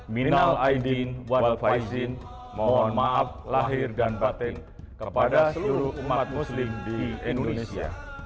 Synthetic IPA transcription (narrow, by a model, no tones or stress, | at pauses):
minalaidinwalfajzɪn | mawɔnmaʔaflaɦɪrdanbat̪ɛŋ | kəpadasəluɾʊumat̪̚muslɪmdiiindodonesia̰